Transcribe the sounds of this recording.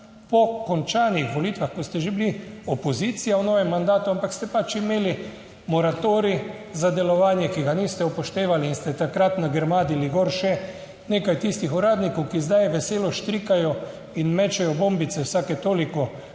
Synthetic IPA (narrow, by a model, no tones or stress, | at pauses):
pɔkɔnt͡ʃaːnixʋɔliːt̪ʋaxkɔst̪ɛʒebliɔpɔziːt̪sijawnɔːʋɛmːand̪aːt̪uampakst̪ɛpat͡ʃimeːli | mɔɾat̪oːɾi | zad̪ɛlɔʋaːnjɛkiɡaniːst̪ɛupɔʃt̪eːʋaliːnst̪ɛt̪akɾat̪naɡɛɾmaːd̪iliɡoːɾʃɛ | neːkajt̪ist̪ixɔɾaːd̪nikɔwkizd̪ajʋɛseːlɔʃt̪ɾikajɔ | inmɛt͡ʃɛjɔboːmbit̪sɛwsakɛt̪oːlikɔ